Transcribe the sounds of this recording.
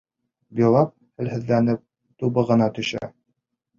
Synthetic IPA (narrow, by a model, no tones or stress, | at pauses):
bilˠɑp̚hɘ̆lhɘ̆ðːænɘp̚ | t̪uβɤʁɤ̆nɑt̪ɵ̆ʃæ̰